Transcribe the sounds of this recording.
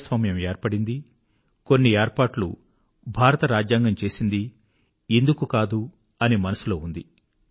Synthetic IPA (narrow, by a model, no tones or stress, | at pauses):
sʋɐmjɐmeːɾpɐɽind̪i | ko̞nːieːɾpaːʈlṵ | bʱaːɾɐt̪ɐɾaːd͡ʒjaːŋɡɐmt͡ʃe̞ːsind̪i | end̪ukukaːd̪u | ɐnimɐnɐsulo̞ːund̪i